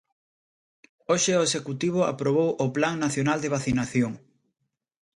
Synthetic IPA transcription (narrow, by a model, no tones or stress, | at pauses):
oʃeoesekut̪iβ̞ʊa̰pɾoβ̞owʔʊplaŋnaθjonald̪eβ̞aθinaθjoŋ